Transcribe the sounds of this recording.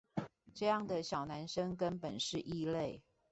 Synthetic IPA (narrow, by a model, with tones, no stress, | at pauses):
ʈ͡ʂɤ˥˧jɑ˥˩ŋd̪ə˨ɕjɑ˨˩ʊna˧˦nʂə˦ŋkə˦npə˨˩nʂɻ̩˥˧ʔi˥˧le˥˨ɪ